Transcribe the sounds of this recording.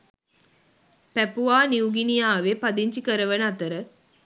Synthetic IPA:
pæpuaːniuɡinijaːʋepad̪iɲt͡ʃikəɾəʋənəat̪əɾə

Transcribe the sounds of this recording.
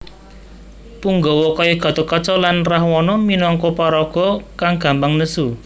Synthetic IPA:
puŋɡɔwɔkɔjeɡ̥ɔ̤t̪okɔt͡ʃɔlanrahwɔnɔminɔŋkɔpaɾɔɡ̥ɔ̤kaŋɡ̥ä̤mbaŋnəsu

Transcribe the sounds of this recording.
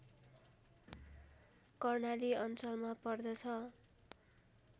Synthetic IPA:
kʌrnaliʌnt͡sʌlmapʌrd̪ʌt͡sʰʌ

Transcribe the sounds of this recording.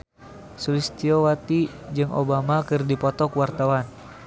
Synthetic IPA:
sulist̪iowat̪i | d͡ʒɨŋʔo̰bamakɨrdipɔt̪ɔkwart̪awan

